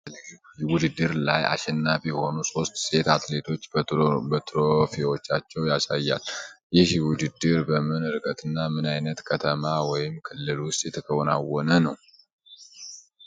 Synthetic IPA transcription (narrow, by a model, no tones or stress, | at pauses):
wʊd̪ɨd̪ːɨɾlaja̰ʃɛnːafjɛho̞nuso̞st̪se̞t̪at̪le̞t̪ʰo̞t͡ʃːbət̪ʰɾofewot͡ʃːat͡ʃːɛwjasajːa̰ljɪhwʊd̪ɨd̪ːɨɾbəmɨnɨɾɨkʼət̪ʰɨnːamɨnajnət̪kʰət̪ʰəmawɔjɪmkʰɨlːɨlwʊst̪ʼjɛt̪ʰəkʰəwɔna̰wːɔnənə̰w